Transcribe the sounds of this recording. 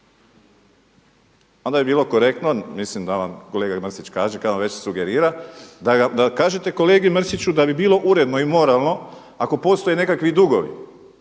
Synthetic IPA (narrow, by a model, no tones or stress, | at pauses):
ond̪abibiːlˠo̞ko̞ɾe̞k̚t̪nomislimd̪aʋamko̞le̞ːɡamr̩sit͡ɕkaːʒekad̪ʋaʋe̞t͡ɕsuɡe̞ɾiːɾad̪aad̪akaːʒet̪e̞ko̞le̞ːɡimr̩sit͡ɕud̪abibiːlˠo̞ʔuɾe̞d̪no̞imo̞ɾalˠno̞ | ako̞po̞st̪o̞jene̞kakʋid̪uɡo̞ʋḭ